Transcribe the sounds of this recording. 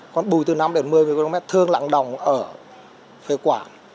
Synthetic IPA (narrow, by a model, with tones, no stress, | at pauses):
kɔ˨˩nɓu˨˩jt̪ɨ˨˩na˧mɗe˨˦nmɨ˨˩əjmɨ˨˩əko˧mɛ˦˥t̚t̪ʰɨ˧əŋla̰ː˧˨ŋɗə˨˩wŋ͡mʔəː˧˩ | fe˧kwaː˧˩n